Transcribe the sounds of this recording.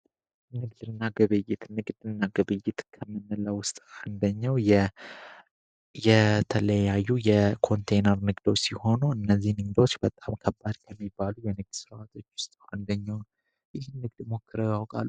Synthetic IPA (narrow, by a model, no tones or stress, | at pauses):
nɨɡd̪ɨnːaɡɨβɨjːɪt̪nɨɡd̪ɨnːaɡɨβɨjːɪt̪kʰəmːɨnːɨləwʊst̪ʼand̪əɲːawjɛ | jɛt̪ʰələjajːujɛkʰo̞nt̪ʰejnəɾnɨɡd̪ot͡ʃːsiho̞nuɨnːəzːihnɨɡd̪o̞t͡ʃːbət̪ʼamkʰəbːad̪kʰəmːibːalujɛnɨɡ̚d̪sɨɾat̪ʰo̞t͡ʃːwʊst̪ʼa̰nd̪əɲːawn | jɪhnːɨɡd̪mo̞kːɨɾəjawkʼa̰lːu